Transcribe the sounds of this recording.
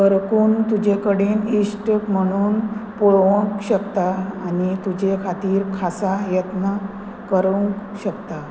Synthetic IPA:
kəɾkuːnt̪ud͡ʑekəɽenisʈəkm̤əɽ̃uːnpoɭʋəŋkɕəkt̪aːnit̪ud͡ʑekʰat̪iːɾkʰasajət̪na | kəɾuŋkɕəkt̪a

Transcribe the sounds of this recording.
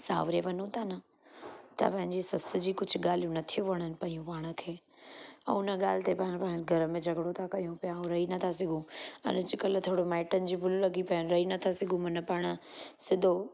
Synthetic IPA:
sa̰ːʋɾeʋɐnõt̪anə | t̪ɐ̰pɐ̃ɦɪ̃ɲd͡ʑesɐsɪd͡ʑiːkʊd͡ʑʱʊɠaːl̤ijũnɐt̪ʰijuʋɐɽ̃ənɪ̆pɐijũpaːɽ̃ə̆kʰeː | ɛ̃ʊnəɠaːl̤ɪt̪epɐ̃ɪɽ̃pɐ̃ɦnɡʱɐɾəmẽd͡ʑʱɐɡɽot̪ʰakɐjũpijaũɾɐɦinɐt̪ʰas̬ɪɡʱũɐ̰nd͡ʑɪkɐl̆t̪ʰoːɽomaːɪʈənɪ̆d͡ʑiːbʱʊlulɐɡipɐənɾɐɦinɐt̪ʰasɪɡũmɐnəpɐɽ̃ə̆sɪd̪ʱo

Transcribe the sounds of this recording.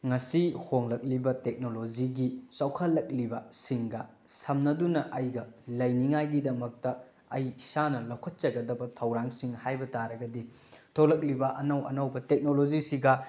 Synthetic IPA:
ŋɐsihoŋlɐk̚libɐtek̚nolod͡ʒiɡit͡ʃɐwkʰɐlːɐk̚libɐsiŋɡɐ | sɐmnɐdunɐʔɐjɡɐlɐjniŋajɡidɐmɐk̚tɐː | jsanɐlɐwkʰɐt̚t͡ʃɐɡɐdɐbɐtʰɐwɾaŋsiŋhajbɐtaɾɐɡɐdi | tʰolɐk̬̚libɐʔɐnɐwɐ̰nɐwbɐtek̚nolod͡ʒisiɡɐ

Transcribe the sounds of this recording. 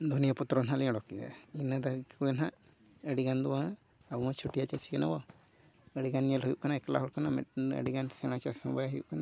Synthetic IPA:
d̪ʱunijaput̪ɾɔnalɛɽɔkia̰inəd̪akuɛnaʔ | əɽiɡand̪uwa | aumãt͡ʃʰuʈijat͡ʃasʰikɛna̰bɔ | əɽiɡanijəlɦujuʔkanaɛklaɦuɽkanamɛ̰ə̰ɖiɡansɛ̃at͡ʃasɔ̃bajaɦujṵʔkana

